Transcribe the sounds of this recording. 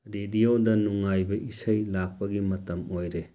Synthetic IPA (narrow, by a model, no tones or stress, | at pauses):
ɾediodɐnuŋajbɐʔisɐjlak̚pɐɡimɐtɐmojɾe